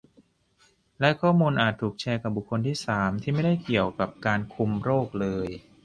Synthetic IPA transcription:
lɛ˦˥kʰɔː˥˩muː˧nʔaː˨˩t̪ʰːuː˨˩k̚t͡ɕʰɛː˧ka˨˩p̚bu˨˩kʰːo˧nt̪ʰiː˥˩saː˩˦mt̪ʰiː˥˩ma˥˩jda˥˩jki˨˩əwka˨˩p̚kaː˧nkʰu˧mɾoː˥˩k̚lɤː˧j

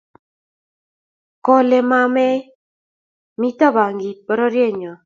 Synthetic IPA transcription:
kɔ˦lɛ˦ma˦mɛ˦ | mi˦ta˦ba˨ŋɡi˨t̚bɔ˨˦ɾɔ˦ɾje˦˨ɲɔ˨

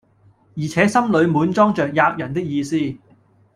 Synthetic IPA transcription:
jiː˨˩t͡sʰɛː˨˥sɐ˥mlɵ˨˧ɥmuː˨˥nt͡sɔː˥ŋt͡ʃœː˨k̚jaː˧k̚jɐ˨˩nt̪ɪ˥k̚jiː˧siː˥

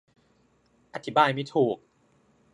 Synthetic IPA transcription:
ʔa˧t̪ʰi˦baː˧jma˥˩t̪ʰuː˨˩k̚

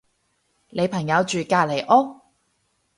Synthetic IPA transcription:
lʔe˨˧jpʰɐ˨˩ŋjɐ˨˧wt͡ʃyː˨kaː˧le˨˩jʔɔː˥

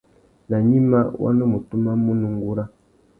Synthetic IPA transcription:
la˨ɲi˦ma˦wʔa̰˦no˦mu˨tu˦ma˦mu˦nũ˨ŋɡu˦ɾa˦

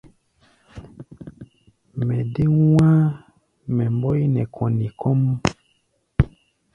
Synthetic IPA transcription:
mɛ˨de˦wã˦ | mɛ˨m˦bɔ˦i˦nɛ˨kʰɔ˨ni˨kʰɔ˦m˦

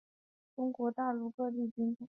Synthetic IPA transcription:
ʈ͡ʂʊ˥ŋkwɔ˧˥t̪a˥˧lu˥˧kɤ˥˧li˥˩t͡ɕy˥nt

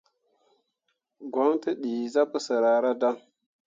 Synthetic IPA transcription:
ɡʷa˦mti˦ɗi˨za˦pə˦sə˨ɾa˨ɾa˦da˦ŋ

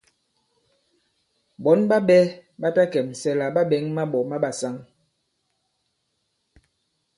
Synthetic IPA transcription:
bɔ˨˦nba˦ɓɛ˦ɓa˦ta˦kɛ˨m˨sɛ˦la˨ɓa˦ɓɛ˨˦ŋma˦ɓɔ˨ma˦ɓa˨sa˦ŋ

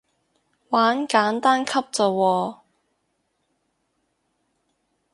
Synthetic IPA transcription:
waː˨˥nkaː˨˥nt̪aː˥nkʰɐ˥p̚t͡sɔ˨˩wɔː˧

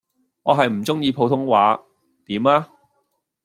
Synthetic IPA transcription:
ŋɔː˨˧ɦɐ˨jm̩˨˩t͡sʊ˥ŋjiː˧pʰo˧wt̪ʰʊ˥ŋwaː˨˥ | t̪iː˨˥maː˥

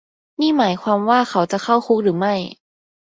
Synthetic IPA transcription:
niː˥˩maː˩˦jkʰwaː˧mwaː˥˩xʰa˩˥wt͡ɕa˨kʰa˥˩wxʰu˦˥k̚ɾɯː˩˦ma˥˩j

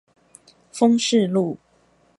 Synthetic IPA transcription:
fɤ˥˦ŋʂɻ̩˥˨lu˥˨

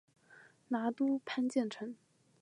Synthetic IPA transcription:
na˧˥t̪u˥pʰa˥nt͡ɕjɛ˥˩nʈ͡ʂʰɤ˧˥ŋ

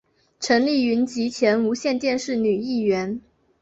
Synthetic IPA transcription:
ʈ͡ʂʰə˧˥nli˥˩y˧˥nt͡ɕi˧˥t͡ɕʰjɛ˧˥nu˧˥ɕjɛ˥˧nt̪jɛ˥˧nʂɻ̩˥˩ny˨˩i˥˩ɥɛ˧˥n

